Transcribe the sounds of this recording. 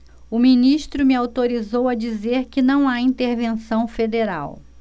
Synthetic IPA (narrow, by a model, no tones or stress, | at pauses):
ʊmĩniʃt̪ɾʊmɪawt̪oɾizowɐd͡ʒizeɾkɪnɐ̃w̃aĩnt̪eɾvẽsɐ̃w̃fed̪eɾa̰w